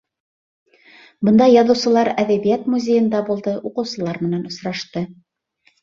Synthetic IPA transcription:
bɤnd̪ɑjːɑðɤ̆wsɤ̆lˠɑɾæðæβijæt̪muzʲejɤ̆nd̪ɑbulˠd̪ɤʔuqɤ̆wsɤ̆lˠɑɾmɘ̆nænŏsɾɑʃt̪ɤ

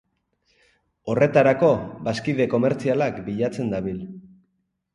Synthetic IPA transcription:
o̞re̞t̪aɾako̞βaskiðe̞ko̞me̞ɾt͡sialakbiʎat͡se̞nd̪aβil

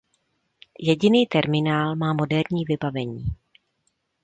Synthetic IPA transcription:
jɛɟɪniːt̪ɛɾmɪnaːlmaːmo̞dɛɾɲiːvɪbavɛɲiː

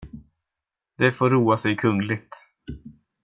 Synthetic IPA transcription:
d̪ɛfoːɾːuːasɛjkʰɵnlɪt̪

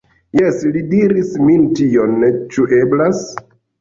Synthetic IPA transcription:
jeslidiɾismintio̞nːet͡ʃuʔe̞blas

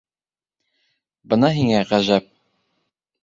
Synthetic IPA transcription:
bɤ̆nɑɦiŋæʁæʒæp̚

